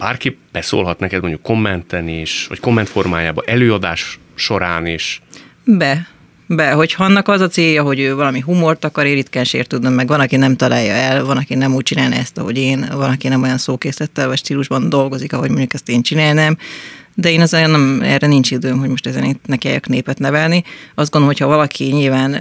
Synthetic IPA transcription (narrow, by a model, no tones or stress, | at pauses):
b̥aːrkipb̥ɛso̰ːlɦɒt̪nɛkɛd̪moɲɟukːo̞mːɛnt̪ɛniʃvɒ̰ckomːɛnt̪fo̞rmaːjaːbɒʔɛløːɒd̪aːʃ | ʃo̞ɾaːniʃbɛ | bɛɦo̞chɒnːɒkɒzɒseːjːɒɦo̞ɟøːvɒlɒmiɦumo̞rt̪ɒkɒɾeːɾit̪kɛnʃḛːrt̪ud̪nømmːɛɡvɒnɒkinɛmt̪ɒlaːjːɒɛlvɒnɒkinɛmuːc̚t͡ʃinaːlnɛ̰ɛst̪ɒ̰ɦo̞̰ɟeːnvɒlɒkinɛmo̞jɒnsoːkeːslɛt̪ːɛlvɒcʃt̪iːluʒbɒnd̪o̞lɡo̞zikɒɦo̞̰ɟmoɲɟukɛst̪eːnt͡ʃinaːlnɛmd̪ɛeːnɛzɛnɛmɛ̰rɛnint͡ʃid̪øːmɦo̞ɟmoʃt̪ɛzɛnit̪nɛka̰ːjɒ̰kneːpɛt̪nɛvɛlniɒzd̪ɡond̪omocʰhɒvɒlɒkʰiɲilvaːn